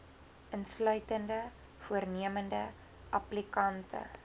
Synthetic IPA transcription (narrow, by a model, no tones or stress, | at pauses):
ʔənslœɥtəndə | fuərniəməndə | ʔɐplikɐntʰə̰